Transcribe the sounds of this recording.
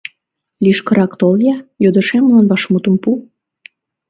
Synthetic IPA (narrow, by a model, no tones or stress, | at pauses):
liʃkəɾɑkt̪oljɑjod̪ə̆ʃemlɑnβɑʃmut̪ə̆mpu